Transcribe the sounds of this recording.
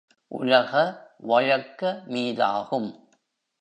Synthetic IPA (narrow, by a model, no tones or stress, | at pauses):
ʔʊ̰ɻɐɣɐʋɐɻɐkːɐmiːða̰ːɣɯm